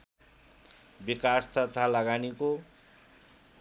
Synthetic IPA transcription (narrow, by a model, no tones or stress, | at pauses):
bikast̪ʌt̪ʰalʌɡaniko